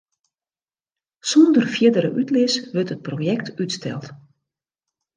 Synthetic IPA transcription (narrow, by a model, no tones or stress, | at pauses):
sɔndərfjɪdəɾə̰ʔytlɪsʋørtət̚proːjɛk̚tytstʰɛ̰lˠt